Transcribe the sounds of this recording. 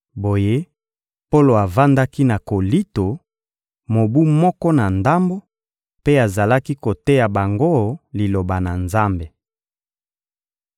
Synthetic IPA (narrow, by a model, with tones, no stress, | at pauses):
bo˨je˦ | po˦lo˨a˨va˦nda˦ki˦na˨ko˨li˦to˨ | mo˨bu˦mɔ˦kɔ˦na˨nda˦mbo˦ | pe˦a˨za˨la˦ki˦ko˨te˦ja˨ba˨ŋɡo˦li˨lo˨ba˨na˨nza˦mbe˨